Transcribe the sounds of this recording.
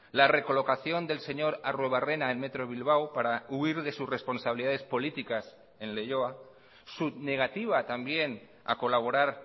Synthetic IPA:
lare̞ko̞lo̞kaθjo̞nd̪e̞lse̞ɲo̞ɾarwe̞β̞are̞naenme̞t̪ɾo̞β̞ilβ̞awpaɾauiɾðe̞susre̞spo̞nsaβiliðaðe̞spo̞lit̪ikas | e̞nle̞ʝoa | subne̞ɣ̞at̪iβ̞at̪ambje̞n | a̰ko̞laβ̞o̞ɾaɾ

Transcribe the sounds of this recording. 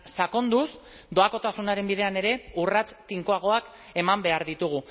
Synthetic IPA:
sako̞nd̪us | d̪o̞ako̞t̪asunaɾe̞mbiðe̞ane̞ɾe̞urat͡st̪iŋkoaɣ̞o̞ak | e̞mambe̞aɾðit̪uɣ̞u

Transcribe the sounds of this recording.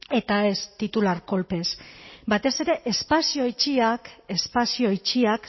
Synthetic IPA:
e̞t̪ae̞st̪it̪ulaɾko̞lpe̞sbat̪e̞se̞ɾe̞ʔespasioit͡ʃiake̞spasio̞it͡ʃiak

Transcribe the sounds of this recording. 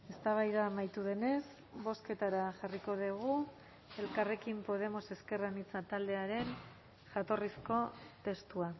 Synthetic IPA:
e̞st̪aβ̞ajðamajt̪uð̞e̞ne̞s | βo̞ske̞t̪aɾaʝariko̞ðeɣ̞u | e̞lkare̞kimpo̞ð̞e̞mo̞se̞ske̞ranit͡sat̪ald̪e̞aɾe̞n | ʝat̪o̞risko̞t̪e̞st̪ua

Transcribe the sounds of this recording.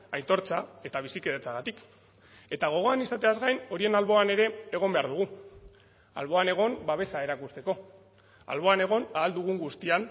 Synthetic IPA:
ajt̪o̞ɾt͡sae̞t̪aβ̞isike̞ðet͡saɣ̞at̪ik | e̞t̪aɣ̞o̞ɣ̞o̞anisat̪e̞azɣajno̞ɾie̞nalβo̞ane̞ɾe̞ːɣ̞o̞mbe̞aɾð̞uɣ̞u | a̰lβo̞ane̞ɣ̞o̞mbaβ̞e̞sae̞ɾakust̪e̞ko̞ | a̰lβo̞ane̞ɣ̞o̞naðːld̪uɣ̞uŋɡust̪ian

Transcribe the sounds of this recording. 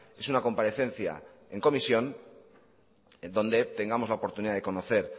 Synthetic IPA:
e̞sunako̞mpaɾe̞θe̞n̟θja̰e̞ŋko̞misjo̞n | d̪õ̞nd̪e̞t̪e̞ŋɡamozlaopo̞ɾt̪uniðaðe̞ko̞noθe̞ɾ

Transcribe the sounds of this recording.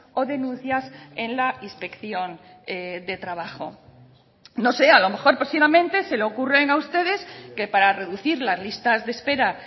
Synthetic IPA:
o̞ðe̞nũnθjase̞nlainspe̞kθjo̞n | ed̪e̞t̪ɾaβaχo̞̰ | no̞se̞alo̞me̞xo̞ɾpɾesiβamẽ̞nt̪e̞se̞lookure̞ŋaust̪e̞ð̞e̞ske̞paɾare̞ðuθiɾlazlist̪azðe̞spe̞ɾa

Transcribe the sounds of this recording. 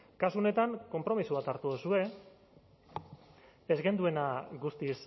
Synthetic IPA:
kasuone̞t̪aŋko̞mpɾo̞misuβat̪aɾt̪uosue̞ | ezɣe̞nd̪ue̞naɣust̪is

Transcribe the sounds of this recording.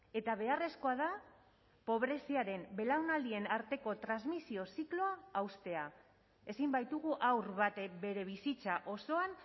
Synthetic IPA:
e̞t̪aβe̞are̞sko̞að̞a | po̞βɾe̞siaɾe̞mbe̞lawnald̪ie̞naɾt̪e̞ko̞t̪ɾanzmisio̞siklo̞aːwst̪e̞a | e̞simbajt̪uɣ̞uʔawrβat̪be̞ɾe̞β̞isit͡saʔo̞so̞an

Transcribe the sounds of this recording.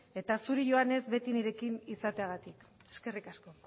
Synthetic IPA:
e̞t̪asuɾiʝo̞ane̞zbe̞t̪iniɾe̞kinisat̪eaɣ̞at̪ik | e̞ske̞rikasko̞

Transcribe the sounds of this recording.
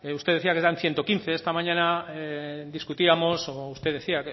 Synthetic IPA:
ust̪eðe̞θiakezd̪anθje̞nt̪o̞kinθe̞est̪amaɲãnaed̪iskut̪iamo̞soust̪e̞ððe̞θiak

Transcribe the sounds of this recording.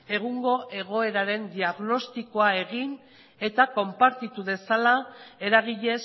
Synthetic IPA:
e̞ɣuŋɡo̞ʔe̞ɣ̞o̞e̞ɾaɾe̞nd̪iaɣno̞st̪iko̞ae̞ɣin | e̞t̪ako̞mpaɾt̪it̪uðe̞salae̞ɾaɣiʎe̞s

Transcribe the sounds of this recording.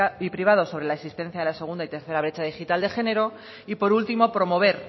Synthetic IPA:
ipɾiβ̞aðo̞so̞β̞ɾelaesist̪en̟θjaðelase̞ɣ̞und̪ait̪e̞ɾθe̞ɾaβ̞ɾe̞t͡ʃaðixit̪ald̪e̞xe̞ne̞ɾo̞ | ipo̞ɾult̪imo̞pɾo̞mo̞β̞e̞ɾ

